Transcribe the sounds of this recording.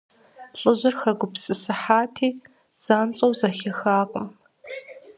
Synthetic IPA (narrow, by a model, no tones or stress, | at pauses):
ɬʼɨʑʷɪrxɐɡʷʊpsɨsɨħaːtʰiː | z̥aːnt͡sʼɐwzɐxʲɐxaːqʼəm